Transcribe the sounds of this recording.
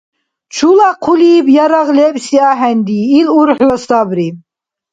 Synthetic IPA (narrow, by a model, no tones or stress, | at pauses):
t͡ʃʰulaqʰuliːbjaɾaʁlɛbsiaɦɛnd̪iːluɾħlɔst̪abɾi